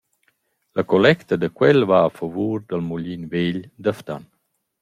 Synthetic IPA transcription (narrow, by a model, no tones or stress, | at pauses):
lakolɛkt̪əd̪əkwɛlvaːfavuːɾd̪əlmuʎinveʎd̪əft̪a̰n